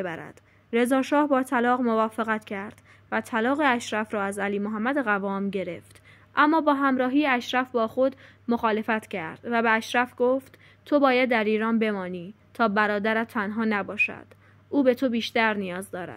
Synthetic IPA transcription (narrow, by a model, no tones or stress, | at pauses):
bæɾæ̰d̪̥ | ɾe̞zɒːʃɒːhbɒːt̪ʰælɒːɣmo̞vɒːfeɣæt̪cʰæɾd̪̥ | væt̪ʰælɒːɣeæʃɾæfɾɒːæzæliːmoɦæmːæd̪eɣævɒːmɟe̞ɾe̞ft̪ | ʔæmːɒːbɒːɦæmɾɒːɦiːjeæʃɾæfbɒːxo̞d̪ | moxɒːle̞fæt̪ʰcʰæɾd̪̥væbeæʃɾæfɡ̥oft̪ | t̪ʰo̞bɒːjæd̪ːæɾiːɾɒːnbe̞mɒːniː | t̪ʰɒːbæɾɒːd̪æɾæt̪ʰːænɦɒːnæbɒːʃæ̰d̪̥ | ʔuːbe̞t̪ʰo̞biːʃt̪æɾnijɒːzd̪ɒːɾæ̰d̪̥